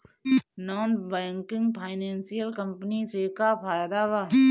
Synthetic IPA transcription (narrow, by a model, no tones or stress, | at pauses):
naːnbɛ̃ːŋkɪ̃ŋɡpʰaːɪnẽːnsijəlkə̃mpənisekapʰaːjd̪aːbaː